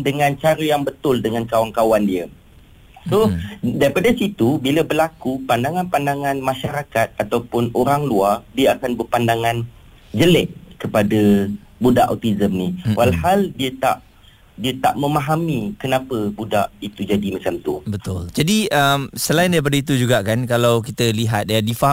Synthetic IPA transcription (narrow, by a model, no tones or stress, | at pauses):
dəŋãnt͡ʃaɾəjaŋbət̪ʊldəŋankawaŋkawandiə | sodaɾipadasit̪ubiləbərlakupandaŋãnpandaŋãnmãʃaɾakat̪̚at̪awpʊnoɾaŋluardiaakanbərpandaŋãn | d͡ʒəlɛʔkəpada | budaʔa̰t̪izəmniwʔalhaldiət̪a̰ʔ | diət̪aʔmə̃maɦamikənãpəbudaʔit̪ud͡ʒadimat͡ʃamt̪ṵbət̪ʊld͡ʒadiəmsəlaɪndaɾip̬adait̪ud͡ʒuɡaʔkankalawkit̪əliɦat̪̚adifaɦ